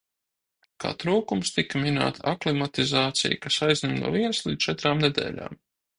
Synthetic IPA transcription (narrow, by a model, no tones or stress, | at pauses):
ka̰ːt̪ɾuːkumst̪ikamina̰ːt̪aklˠimat̪izaːt̪sḭjkasajznʲimnṵɔviɛnslˠid̪t͡ʃɛt̪ɾaːmned̪ɛ̰ːlʲa̰ːm